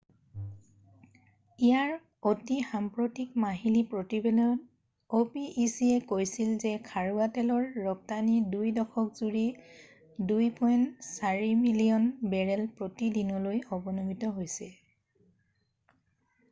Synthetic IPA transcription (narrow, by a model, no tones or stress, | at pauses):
ijaɹ | otixampɹotikmaɦilipɹotibɛlɔn | opiʔːsiɛkojsilzɛkʰaɹuatɛlɔɹːɔp̚tanidujdɔkʰɔkzuɹi | dujpʰɔjntsaɹimilijɔnbɛɹɛlpɹotidinɔlojɔbɔnomitɔɦojsɛ